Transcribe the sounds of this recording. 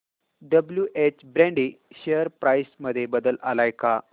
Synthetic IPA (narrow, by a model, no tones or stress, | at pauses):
ɖəbljuʔet͡ɕbɾɛ̃ɳɖiɕejəɾpɾajsməd̪ʱːjebəd̪əlalajka